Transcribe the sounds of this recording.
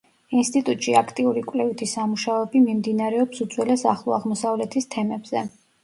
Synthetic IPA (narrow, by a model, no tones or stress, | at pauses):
inst̪ʼit̪ʼut̪ʼʃiakʰt̪ʼiuɾikʼwlɛvit̪ʰisamuʃaɔɛbimimd̪inaɾɛɔpsut̪zʰʼwɛlɛsa̰χlˠɔaʁmɔsavlɛt̪ʰist̪ʰɛmɛbz̥ɛ